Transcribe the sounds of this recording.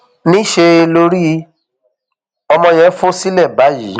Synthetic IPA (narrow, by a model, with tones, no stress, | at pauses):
nĩ˦ʃe˧e˧lo˧ɾi˦ | ɔ˧mɔ̃˧j̃ɛ̃˨˦fo˦si˦lɛ˦˨ba˨˦ji˨˦